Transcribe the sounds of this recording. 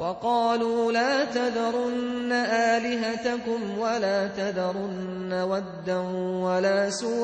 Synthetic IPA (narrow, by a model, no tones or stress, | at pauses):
wɑqɑːluːlaːt̪ad̪ɑɾˤʊnːaʔaːlɪɦat̪akʊmwalaːt̪ad̪ɑɾˤʊnː | awad̪ːanwalaːsuː